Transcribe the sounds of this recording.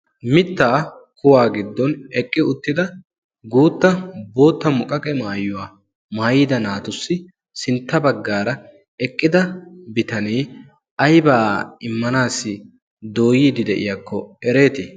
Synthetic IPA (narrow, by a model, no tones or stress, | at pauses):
mɪt̪ːaː | kʊwaːɡɪd̪ːɔnɛkʼːɪʊt̪ːɪd̪ɐ | ɡuːt̪ːɐbo̞ːt̪ːɐmʊkʼɐkʼɛmaːjʊwaː | maːjɪːd̪ɐnaːt̪ʊsːɪ | sɪnt̪ːɐbɐɡːaːɾɐ | ɛkʼːɪd̪ɐbɪt̪ɐniː | ʔɐjbaɪmːɐnaːsːɪ | d̪o̞ːjiːd̪ɪd̪ɛʔɪ̰jakʰːɔɛɾe̞ːt̪ɪ